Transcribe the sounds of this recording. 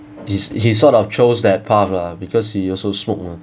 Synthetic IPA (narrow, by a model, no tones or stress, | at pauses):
hishisɔtɔft͡ʃosdɛt̚pʰafabikʰɔshiɔsosmok̚ma